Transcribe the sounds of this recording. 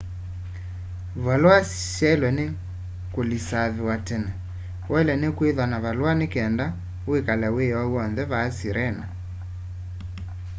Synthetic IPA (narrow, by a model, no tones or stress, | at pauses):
βalwas | ʃɛlwɛne | kolisaðewatɛnɛ | wʔɛlɛnekweðanaβalwanekɛnda | wekalɛweɔwɔnðɛβaːsiɾʔɛna